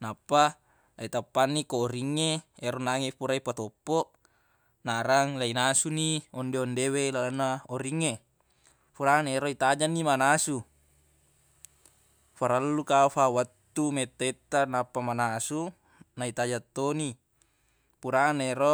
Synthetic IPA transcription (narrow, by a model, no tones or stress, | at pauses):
napːa | lʔait̪apːanːikoːɾiŋːeeɾonaŋepuɾaipat̪opːoʔ | naɾaŋlainasuniɔndeondewelalanːaoɾiŋːe | puɾaneɾoit̪ad͡ʒanːimanasu | faɾalːukafawat̪ːumet̪ːoit̪ːanapːamanasu | nait̪ad͡ʒat̪ːoni | puɾaneɾo